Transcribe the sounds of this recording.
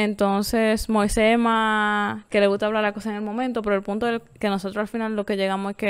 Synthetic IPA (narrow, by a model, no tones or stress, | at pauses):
ent̪o̞nse̞smo̞jsemake̞leɣust̪aβlaɾlakosaeŋe̞lmo̞mẽnt̪o̞peɾoelpunt̪oeke̞no̞so̞t̪ɾosalfinalːo̞ke̞ʝe̞ɣamose̞ske